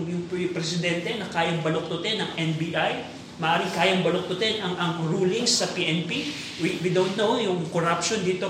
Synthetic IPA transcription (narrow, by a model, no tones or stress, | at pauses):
jʊŋppɾɛsɪd̪ɛnt̪ɛnɐkaːjɐŋbɐlok̚t̪ʊt̪ɛnɐŋʔɛnbiːʔaj | mɐʔaːɾɪŋkaːjɐŋbɐlok̚t̪ʊt̪ɛnʔɐŋʔɐŋɹuːlɪŋsːɐpiːʔɛnpi | wiwid̪ownt̪nowjʊŋkoɾapʃond̪iːt̪o̞